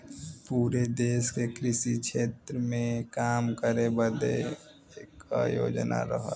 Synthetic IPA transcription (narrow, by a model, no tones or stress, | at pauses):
puːɾed̪eːskekɾɪʃikʃʰeːt̪ɾəmẽkaːmkəɾebəd̪ḛ | eka̰jo̰ːd͡ʒna̰ɾə̰ɦə̰